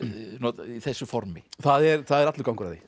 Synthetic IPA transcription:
nuɔt̪iθɛsːʏfɔɾmɪθaðɛɾθaðɛɾat̪lʏɾkawŋkʏɾaðɪ

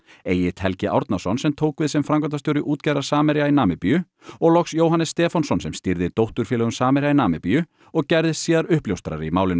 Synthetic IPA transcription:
eːjɪt̪ʰɛlcɪʔa̰wɾt̪nasɔnsɛmt̪ʰoːwkvɪðsɛmfɾamkɔt̪̬asjowɾɪʔuːt̪cajɾaɾ̥saːmɛɾjainaːmɪpijʏ | ɔɣlɔksjoːwɦanːɪsːt̪ɛːfansɔnsɛmst̪iɾðɪt̪owht̪ʏɾ̥fɛːlɛɣʏmsaːmɛɾjainaːmɪpiːjʏ | ɔɣcɛjɾðɪsiːðaɾʏhpljowst̪ɾa̰ɾimaːwlɪn

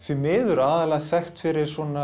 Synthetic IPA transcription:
θvɛmɪːðʏɾaːðalɛːɣsɛxt̪fɪɾɪɾ̥sɔna

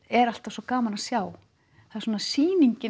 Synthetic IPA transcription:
ɛɾal̥t̪av̥sɔkaːmanasjaːw | θasoːnasiːniɲcɪ

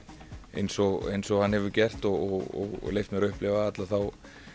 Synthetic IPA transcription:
ḛjnsɔɣḛjnsɔɣhanhɛvʏcɛr̥t̪ɔɣɔɔ̰ɣlejft̪mɛɾʏhplɪvaat̪laθaw

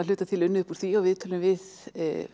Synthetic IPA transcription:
aʏːt̪at̪ʰɪlʏnːʏhpuɾ̥θiɔwvɪðt̪ʰœːlʏmvɪð̰

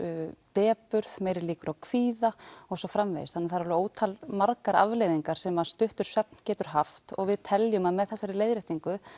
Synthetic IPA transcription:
t̪ɛːpʏɾðmeːjɾɪɾliːkʏɾawkʰviːðaɔɣsɔfɾamv̰jðɪst̪ʰanːɪmθaɾaɾloːwt̪ʰalmaɾkaɾa̰vlejðiŋkaɾ̥sɛmaðst̪ʏht̪ʏɾ̥sœp̚n̥cɛːt̪ʏɾ̥ɦaft̪ɔ̰ɣvɪðt̪ʰɛljʏmaðmɛðθɛsːaɾɪleːjðɾɪht̪iŋkʏ

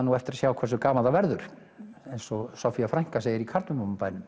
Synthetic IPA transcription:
nːuɛft̪ɪɾasjaːwkʰvɛrsʏkaːmaðavɛɾðʏɾ̥ | ejnsɔsɔfiafɾajŋ̥kaseːjɪɾikʰaɾt̪nʏmomʏmpaːjnʏmm

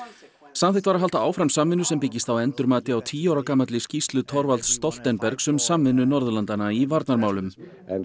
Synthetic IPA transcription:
samθɪjht̪vaɾaɦalt̪aaːwfɾamsamvɪnːʏsɛmpɪcːist̪awɛnt̪ʏɾmaːt̪ɪawt̪ʰiːawɾakaːmat̪lɪscist̪lʏt̪ʰɔɾvalt̪st̪ɔl̥t̪ɛnpɛɾksɛmsamvɪnːʏnɔɾðʏlant̪anaivaɾt̪naɾmaːwlʏm

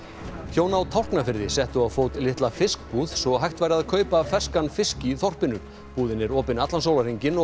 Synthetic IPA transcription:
çjoːwnawt̪ʰawr̥knafɪɾðɪsɛht̪ʏawfoːwt̪lɪht̪lafɪsk̚puːð̥sɔɣɦajht̪vajɾaðkʰœːɥpafɛskanfɪsciθɔr̥pɪnʏ | puːðɪnɪɾɔːpɪnat̪lansoːwlariɲcɪnɔ

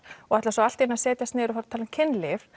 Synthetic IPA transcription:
ɔɣɛtlasɔalt̪iɛnasɛːt̪jast̪nːɾʏfaɾt̪ʰaːlɪmcʰɪnːlɪv̥

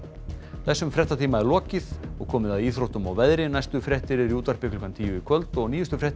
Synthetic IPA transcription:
θɛsːʏmfɾɛht̪at̪ʰiːmaɛɾlɔːcɪðɔɣkʰɔːmɪðaðiːθɾowht̪ʏma̰wvɛðɾɪnajst̪ʏfɾɛht̪ɪɾɪɾiuːt̪ar̥pɪklɪ̥kant̪ʰiːjʏikʰvœlt̪ɔɣniːjʏst̪ʏfɾɛht̪

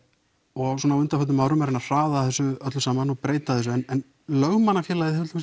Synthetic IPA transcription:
ɔɣsuːnawʏnt̪afœt̪nʏmawɾʏmɛɾɪnar̥aːðaθɛsːʏœt̪lʏsaːmanɔɣpɾeːjt̪aðθɛs̬ʏɛnɛn | lœɣmanːafjɛːlajðɪθfʏlm

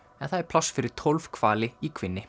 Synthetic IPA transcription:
ɛnθaðɛɾ̥pʰl̥asːfɪɾɪɾ̥t̪ʰɔlvkʰv̥aːlɪikʰvɪnːɪ

